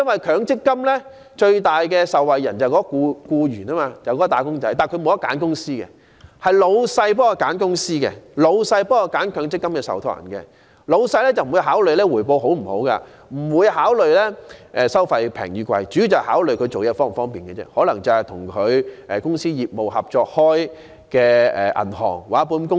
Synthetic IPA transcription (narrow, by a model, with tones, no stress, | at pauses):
jɐ˥nwɐ˨jkʰœː˨˧ŋt͡sɪ˥kːɐ˥mlɛ˥ | t͡ʃɵ˧ɥt̪aː˨jkɛː˧sɐ˨wwɐ˨jjɐ˨˩nt͡sɐ˨wkɔː˨˥ɔ˧kuː˧kuː˧ɥyː˨˩naː˥maː˧t͡sɐ˨˩wkɔ˨˥t̪aː˨˧˥kʊ˥ŋt͡sɐ˨˥jt̪aː˨nkʰmo˨˧wjɐ˥kːa̰ː˨˥nkʊ˥ŋsiː˥kɛ̰˧ | hɐ˨jlo˨˧wsɐ˧jp̬ɔː˦˥ɔ˧kaː˨˥nkʊ˥ŋsiː˥kɛ̰˧lo˨˧wsɐ˧jpɔː˦˥ɔ˧kaː˨˥nkʰœː˨˧˥ŋt͡sɪ˥kːɐ˥mkɛː˧sɐ̰˨wt̪ʰɔː˨˥jɐ̰˨˩nkɛ̰˧ | lo˨˧wsɐ˧jlɛː˥t͡sɐ˨m̩˨˩˨u˨˧ɦaː˨˥wlɵ˨ɥlɛː˥wuː˨˩jpo˧who˨˥wm̩˨˩ho˨˥wka̰˧ | m̩˨˩wuː˨˧jhaː˨˥wlɵ˨ɥlɛː˥ʔɛː˨˧sɐ˥wfɐ˧jpʰɛ̰ː˨˩ŋjyː˨˧kʷwɐ̰˧jt͡ʃyː˨˥˨t͡sɐ˨haː˨˥wlɵ˨ɥkʰɵ˧jt͡so˨wjɛː˥˧fɔː˥ŋfɔː˥ŋpiː˨nkɛ˧t͡sɛ̰˥hɔː˨˥lɐ˨˩ŋt͡sɐ˨whɐ˨jt̪ʰʊ˨˩ŋkʰɵ˨˧ɥʔɛ˨kʊ˥ŋsiː˥jiː˨p̚mo˨whɐ˨p̚t͡ʃɔː˧k̚hɔː˥j | kɛː˧ɛ̰ː˨ʔɐ̰˨˩nhɔ̰ː˨˩ŋwaː˨˥puː˧nkʊ˥